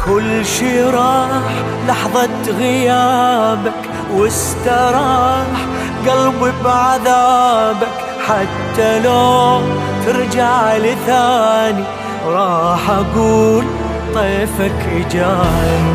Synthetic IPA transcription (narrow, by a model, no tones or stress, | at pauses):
kʰʊlːʃiɾˤɑːħ | lɑħðˤɑt̪ɣɪjaːbak | wɪs | t̪aɾˤɑħ | ɡalbɪbʕaðaːbak | ħat̪ːaloː | t̪ɪɾd͡ʒaʕlθaːni | ɾˤɑːħʔaɡuːl | t̪ˤeːfakʔɪd͡ʒaːni